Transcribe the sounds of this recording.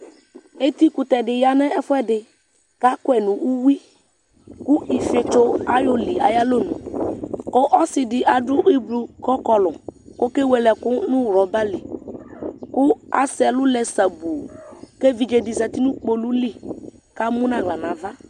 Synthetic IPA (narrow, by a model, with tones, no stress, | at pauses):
e˦t̪i˦kʊ˨t̪ɛ˨dɪ˨ja˦nɛ˦ɛ˦fʊ˦ɛ˦dɪ˨ | ka˦kʊ˦ɛ˨nʊ̃˨ʔu˦wi˦ | kʊ˦i˨fe˨to˦a˦jo˦li˨a˨ja˦lo˦nṵ̃˨kɔ˦ʔɔ˦sɪ˨dɪ˨ʔa˨dʊ˦ʔi˦blu˨kɔ˦kɔ˨lʊ˨kɔ˦ke˦we˨lɛ˨kʊ˦nʊ̃˦wɾɔ˨ba˦li˨ | kʊ˦a̰˦sɛ˨lʊ˦lɛ˨sa˨bu˨ke˦vi˨d͡ʒe˨dɪ˨za˨t̪i˦nʊ̃˦k͡po˨lu˦li˦ka˦mʊ̃˦nã˨ɡla˨nã˨va˦